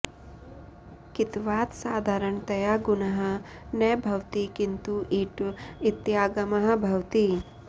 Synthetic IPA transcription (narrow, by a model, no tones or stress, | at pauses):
kit̪ʋaːt̪saːd̪ʱaːɾɐɳt̪ɐjaːɡunɐɦɐ̆neːbʱɐwt̪ikint̪uʔiʈuit̪jaːɡɐmɐɦɐ̆bʱɐwt̪i